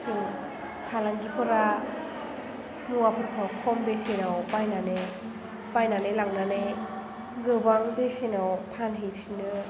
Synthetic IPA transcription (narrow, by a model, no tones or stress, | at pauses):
su | pʰalaŋɡipʰɯɾa | nuwapʰɯɾpʰakʰɔmbesenawpajnane | pajnanelaŋnane | ɡɯbaŋbesenawpʰanɦejpsinɯ